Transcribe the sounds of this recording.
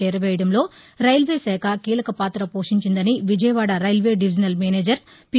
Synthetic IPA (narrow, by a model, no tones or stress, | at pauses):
ɛːɾɐʋɛːjɐɽɐmlo̞ː | ɾɐjlʋeːsɛːkʰɐkiːlɐkɐpaːt̪ɾɐpoːʂiɲt͡ʃind̪ɐniʋid͡ʒɐjɐʋaːɽɐɾɐjlʋe̞ːɖiʋid͡ʒɐnɐlmeːneːd͡ʒɐɾ | pi